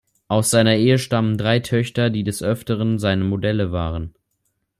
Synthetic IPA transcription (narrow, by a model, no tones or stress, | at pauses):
ʔaʊsz̥aɪnɐʔeːəʃtaməndʁaɪtʰœçtɐdiːdɛsʔœftəʁənzaɪnəmodɛləvaːʁən